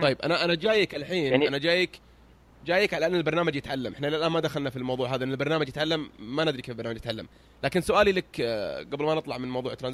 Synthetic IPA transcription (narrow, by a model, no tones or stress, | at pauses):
t̪ˤɑjːɪbʔa̰naʔanad͡ʒaːjɪkalħiːnanad͡ʒaːjɪk | d͡ʒaːjɪkʕalaʔɪnːɪlbɑɾˤnaːmad͡ʒjɪt̪ʕalːamʔɪħnalalʔaːnmad̪axalnafilmɑwðˤuːʕɦaːðaʔɪnːalbɑɾˤnaːmad͡ʒjɪt̪ʕalːamːanɪd̪ɾikeːflbɑɾnaːmːd͡ʒjɪt̪ʕalːa̰m | laːkɪnsʊʔaːlilakɡablmanɨt̪ˤlɑʕmɪnmɑwðˤuːʕɪt̪ːɾanz